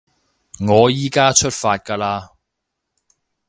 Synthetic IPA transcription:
ŋɔː˨˧jiː˨˥kaː˥t͡ʃʰɵ˥t̚faː˧t̚kaː˧laː˧

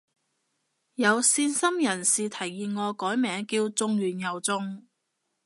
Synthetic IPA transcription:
jɐ˨˧wsiː˧nsɐ˥mjɐ˨˩nsiː˨t̪ʰɐ˨˩jːiː˨nŋɔː˨˧kɔː˨˥jmɛː˨˧ŋkiː˧wt͡sʊ˧ŋɥyː˨˩njɐ˨˩wt͡sʊ˧ŋ

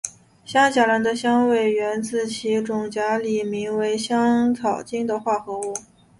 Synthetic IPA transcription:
ɕjɑ˥ŋɕja˨˩la˧˥˩nd̪ə˧ɕjɑ˥ŋwe˥˩ɪɥɛ˧˥nt͡sɹ̩˥˩t͡ɕʰi˧˥ʈ͡ʂʊ˨˩ŋt͡ɕja˧˥li˨˩mi˧˥ŋwe˧˥ɪɕjɑ˥ŋt͡sʰɑ˨˩ʊt͡ɕi˥ŋd̪ə˨xwa˥˩xɤ˧˥u˥˩

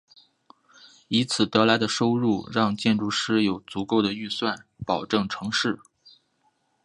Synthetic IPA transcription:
i˧˥t͡sʰɹ̩˨˩t̪ɤ˧˥la˧˥ɪd̪ə˧ʂo˥ʊɻu˥˩ɻɑ˥˧ŋt͡ɕjɛ˥˧nʈ͡ʂu˥˩ʂɻ̩˥jo˨˩ʊt͡su˧˥ko˥˩ʊd̪ə˩y˥˧swa˥˩npɑ˨˩ʊʈ͡ʂɤ˥˩ŋʈ͡ʂʰɤ˧˥ŋʂɻ̩˥˩

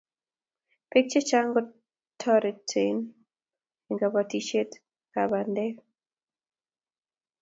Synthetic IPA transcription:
pe˦k̚t͡ʃe˦t͡ʃa˦ŋɡɔ˦ | tʰɔ˦ɾɛ˨tʰen | eŋɡa˨bati˨t͡ʃe˦t | kabandɛ˦

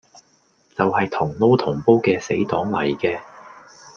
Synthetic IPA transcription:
t͡sɐ˨whɐ˨jt̪ʰʊ˨˩ŋlo˥wt̪ʰʊ˨˩ŋpo˥wkɛː˧se˨˥jt̪ɔː˨˥ŋlɐ˨˩jkɛː˧

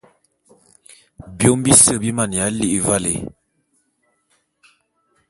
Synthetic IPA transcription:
bjo˦mbi˦sə˦˨bi˦ma˨n˨a˨˦li˦ʔva˦lḛ˨

